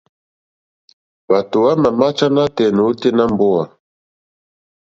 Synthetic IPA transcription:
ba˨to˨wa˦ma˨ma˦t͡ʃa˦na˦tɛ˨no˨˦te˦na˦mbɔ˦a˨

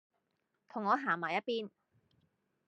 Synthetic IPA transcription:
t̪ʰʊ˨˩ŋːɔː˨˧ɦaː˨˩maː˨˩jɐ˥t̚piː˥n

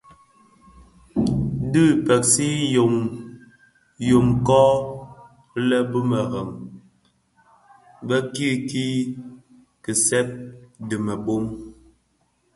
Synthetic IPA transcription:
dɨ˦˨pɛ˨k̚si˦jo˨m | jo˨mkɔː˦ | lɛ˦bə˦mɛ˨ɣɛ˨m | bɛ˦ki˦˨ki˦ | kə˨sɛ˦p̚dɨ˨mɛ˨bo˦m

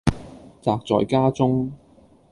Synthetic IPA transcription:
t͡saː˨˧k̚t͡sɔ̰ː˨jkaː˥t͡sʊ˥ŋ

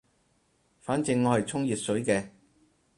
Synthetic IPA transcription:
faː˨˥nt͡sɪ˨˧ŋːɔː˨˧hɐ˨jt͡sʰʊ˥ŋjiː˨t̚sɵ˨˥ɥkɛː˧

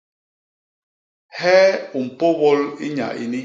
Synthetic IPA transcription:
hɛ˦u˨m̩˨po˦bɔ˦li˦ɲa̰˨ʔḭ˦ni˦

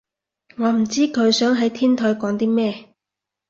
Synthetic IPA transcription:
ŋɔː˨˧m̩˨˩t͡siː˥kʰɵ˨˧ɥsœː˨˥ŋɦɐ˨˥jt̪ʰiː˥nt̪ʰɔː˨˧jkɔː˨˥ŋt̪iː˥mɛː˥

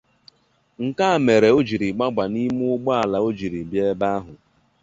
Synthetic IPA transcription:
ŋ̩˨ka˦a˨me˨ɾe˨o˦d͡ʒi˨ɾi˨ɡ͡ba˦ɡ͡ba˨ni˦m˦ʊ˦ɡ͡bɔ˦a˨la˨o˦d͡ʒi˨ɾi˨bje˦ba˦ɦʊ˨

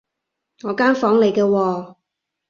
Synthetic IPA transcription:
ŋɔː˨˧kaː˥nfɔː˨˥ŋle˨˧jkɛː˧wɔː˧

